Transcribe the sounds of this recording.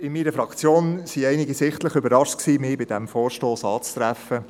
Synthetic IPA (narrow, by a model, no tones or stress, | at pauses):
ɪmiːɾəfɾɑkt͡sjoːnsiɛɪnɪɡisɪχt̪ləχʏbəɾɑʃtksiːmɪbɪdɛmfoːɾʃtoːsɑːt͡st̪ɾæfə